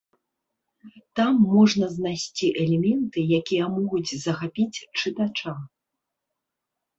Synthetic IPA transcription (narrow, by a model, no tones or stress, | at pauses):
t̪amːɔʐnɐznajsʲt͡sʲiʔɛlʲɛmʲɛnt̪ɨjakʲijɐmɔɣud͡zʲzɐxapʲit͡sʲt͡ʂɨt̪at͡ʂa